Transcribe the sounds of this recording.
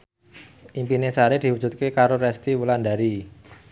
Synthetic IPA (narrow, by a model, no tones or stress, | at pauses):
ʔimpinesaɾed̪̥i̤wu̥ʒ̥ṳt̪̚kekaɾoɾɛst̪iwuland̪aɾi